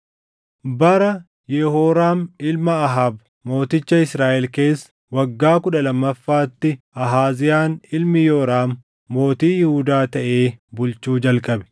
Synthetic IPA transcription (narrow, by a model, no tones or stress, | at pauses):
bɐɾɐ | jɛhoːɾaːmɪlmɐːɦab | mo̞ːt̪ɪt͡ʃːɐɪsɾaːʔɛlke̞ːs | wɐɡːaːkʊᶑɐlɐmːɐfːaːt̪ːɪ | ɐɦaːzɪjaːnɪlmɪjoːɾaːmː | o̞ːt̪iːjɪhʊd̪aːt̪ɐʔe̞ːbʊlt͡ʃuːd͡ʒɐlkʼɐbɛ̥